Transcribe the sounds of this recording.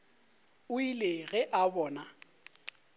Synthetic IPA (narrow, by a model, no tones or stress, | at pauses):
ʊileɣɛʔabɔːna